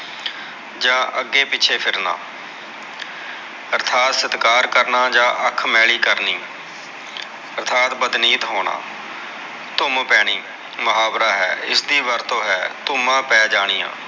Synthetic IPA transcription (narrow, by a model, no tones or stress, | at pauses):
d͡ʒãːʔəɡːeːpɪːt͡ʃʰeːpʰɪɾna̰ː | əɾt̪ʰaːt̪sɪt̪kaːɾkəɾnaːd͡ʒãːʔəkʰmɛːɭiːkəɾniː | əɾt̪ʰaːt̪bəd̪niːt̪ɦoːɽa̰ː | t̪ʊmpɛːɽ̃iː | məɦaːbɾaːɦɛ̰ːɪ̰sd̪iːʋəɾt̪õːɦɛːt̪ʊmãːpɛːd͡ʒaːɽ̃iːjã̰ː